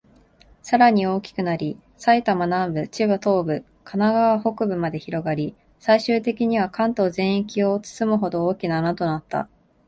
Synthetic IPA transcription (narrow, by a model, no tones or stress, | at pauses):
saɾaɲ̟io̞ːkʲi̥kɯ̟naɾʲi | sait̪amanãmbɯ̟t͡ɕiβɯt̪o̞ːbɯ̟ | kʰanaɡaβaɦo̞kɯ̟bɯ̟mad̪e̞çiɾo̞ɡaɾʲi | saiɕɨːt̪e̞kʲiɲ̟iβ̞akãnt̪o̞ːzẽ̞ɰ̃ikʲio̞t͡sɨ̥sɨmɯ̟ɦo̞d̪o̞oːkʲinanat̪o̞nat̪ːa̰